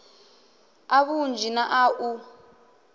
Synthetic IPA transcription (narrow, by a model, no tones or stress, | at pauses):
aβund͡ʒʱinaʔaʔu